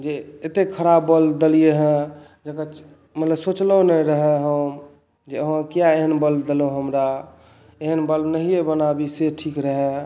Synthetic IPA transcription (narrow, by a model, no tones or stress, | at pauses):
d͡ʒeet̪ekʰəɾabːəld̪əlijeɦə̃ | d͡ʒeka | mət̪ləbsot͡ʃlənəɾəɦɛɦə | d͡ʒeəɦãkijaeɦənbəld̪eloɦəmɾa | eɦənbəlnəɦijebənabiseʈʰikɾəɦɛ